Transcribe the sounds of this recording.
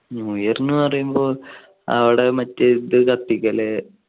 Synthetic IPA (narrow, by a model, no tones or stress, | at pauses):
ujɐɾnːɨpɐrɐjumboː | ɐ̰ʋiɽemɐtːɐt̪ɨkɐt̪ːikʲːɐle